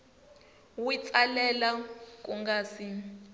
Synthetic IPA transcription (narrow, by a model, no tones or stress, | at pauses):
wit͡sʼalɛlak̬ʼuŋɡaːsi